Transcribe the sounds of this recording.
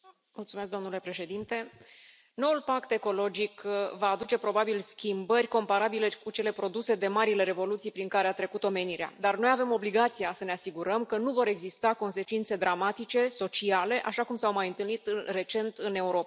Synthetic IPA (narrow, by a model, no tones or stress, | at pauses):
multsumesk̚d̪o̞mnule̞pɾe̞ʃe̞d̪int̪e̞ | no̞ulpakt̪e̞ko̞lo̞d͡ʒikvaːd̪ut͡ʃe̞pɾo̞babilskʲimbərʲko̞mpaɾabile̞kut͡ʃe̞le̞pɾo̞d̪use̞d̪e̞maɾile̞ɾe̞vo̞lut̪sijpɾiŋkaɾeat̪ɾe̞kut̪o̞me̞niɾea̰d̪arno̞jave̞mo̞bliɡat̪sijasəneasiɡuɾəmkənuvo̞ɾe̞ɡzist̪ako̞nse̞t͡ʃint̪se̞d̪ɾamat̪it͡ʃe̞so̞t͡ʃiale̞ʔaʃakumsawmajɨnt̪ɨlnit̪re̞t͡ʃe̞nt̪ɨne̞uɾo̞pa